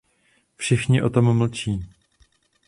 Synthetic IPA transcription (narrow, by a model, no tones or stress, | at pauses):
fʃɪxɲɪʔo̞t̪o̞mml̩t͡ʃiː